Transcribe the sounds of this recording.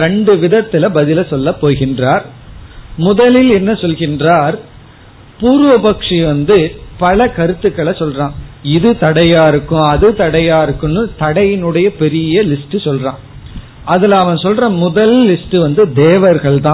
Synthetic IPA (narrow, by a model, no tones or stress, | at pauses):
ɾɛɳɖɯʋɪðɐt̪ːɪlɐbɐðɪlɐsɔlːɐpːoːɣɪndraːɾ | mʊðɐlɪlɛnːɐsɔlɣɪndraːɾ | puːɾʋɐpɐkʂiʋɐnd̪ɯpɐlɐkɐɾɯt̪ːɯkːɐɭɐsɔlrãːɪðɯt̪ɐɽɐjaːɪɾɯkːʊ̃ɐðɯt̪ɐɽɐjaːɪɾɯkːɯnːɯt̪ɐɽɐjɪnɯɽɐjɐpɛɾɪjɐlɪsʈɯsɔlrãː | ɐðɪlɐʋɐnsɔlrãmʊðɐlːɪsʈɯʋɐnd̪ɯd̪eːʋɐɾɣɐɭt̪ãː